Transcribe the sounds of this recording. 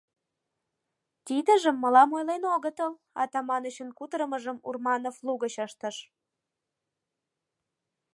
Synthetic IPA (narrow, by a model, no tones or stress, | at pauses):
t̪id̪əʒəmːəlɑmojlenoɣət̪əl | ɑ̰t̪ɑmɑnəɕənkut̪ɾəməʒəmṵrmɑnofluɣəɕəʃt̪əʃ